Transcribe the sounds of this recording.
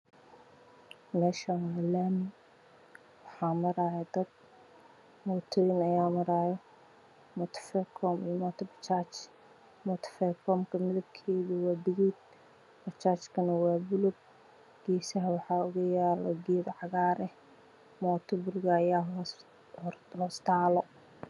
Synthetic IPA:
mɛːʃɐwalaːmɪŋ | wɑħɑːmɐɾaːjɐd̪ɐd̪̚ | mɔːt̪ʰɔɪnɐjaːmɐɾaːjɐ | mɔt̪ʰfɛkʰɔmijmɔːt̪ʰɔbɐt͡ʃaːt͡ʃ | mɔːt̪ʰfɛkʰɔːmkʰɐmɪðɐb̚kʰɛːðʊwɑːd̪ɪɣiːd̪̚ | bɐt͡ʃaːt͡ʃkʰɐnɐwɑːbʊlʊb̚ | ɡ̥ɛːsɐɦɐwɑħɑːʊɣʊjaːlɐ̰ɡɛːd̪ʕɑɣaːɾɛh | mɔːt̪ʰɔbʊrɣɐːjaː | hlɔːst̪ʰaːlɔ

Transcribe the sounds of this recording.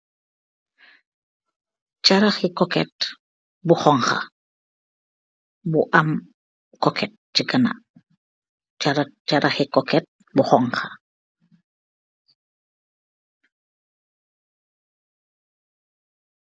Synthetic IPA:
t͡ʃaɾaχikokɛt̪ | buχoŋχa̰ | buʔam | kokʰɛt̪̚ | t͡ʃikana̰ | t͡ʃaɾat͡ʃaɾʔaχikoket̪̚ | buχoŋχa

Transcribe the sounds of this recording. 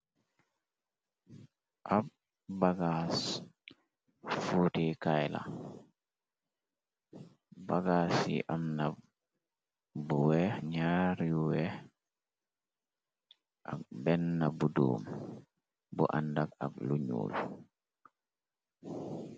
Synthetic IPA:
ʔab̚ | baɡas | futikajla̰ | baɡasḭʔamna | buwɛɲaɾjuwɛ | ʔak̚bɛnːabudṵːm | bṵʔa̰ndaka̰k̚luɲṵːl

